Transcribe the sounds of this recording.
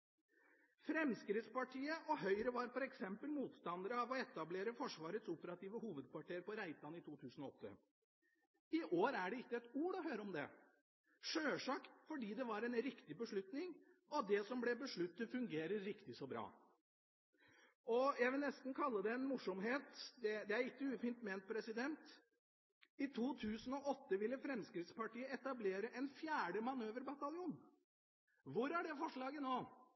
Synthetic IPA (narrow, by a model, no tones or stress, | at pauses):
fɾɛmskɾɪt̪spɑʈʰiːəʔɔhœʏɾəʋɑɾfɔɾɛksɛmpəlmuːt̪st̪ɑnd̪əɾəɑʋɔɛt̪ɑbleːɾəfɔʂʋɑːɾət̪sʊpəɾɑt̪iːʋəhuːʋəd̪̚pʰɑʈʰiːəɾpɔɾæɪt̪ɑnɪt̪ʰuːt̪ʰʉːsənɔɔt̪ːə̰ | ɪʔoːɾæɖɛɪkːəɛt̪uːɾɔɦøːɾəɔmd̪ɛ̰ | ʂøːʂɑːkfɔɖiːd̪ɛʋɑɾɛnɾɪkt̪ɪbəʂɭʉt̪nɪŋ | ɔd̪ɛsɔmblɛbəʂɭʉt̪ːəfʉŋɡeːɾəːɪkt̪ɪsɔbɾɑ̰ː | ɔjæɪʋɪlnɛst̪n̩kʰɑlːəd̪ɛɛnmʊʂɔmɦeːt̪d̪ɛd̪ɛæɾɪkːəʉːfiːnt̪meːnt̪̚pʰɾɛsɪd̪ɛnt̪ | ɪt̪ʰuːt̪ʰʉːsən̩ɔʔɔt̪ːəʋɪlːəfɾɛmskɾɪt̪spɑʈiːəɛt̪ɑbleːɾəʔɛnfjæːɖəmɑnøːʋəɾbɑt̪ɑlɪuːn | ʋʊɾæɖɛfɔʂɭɑːɡənoː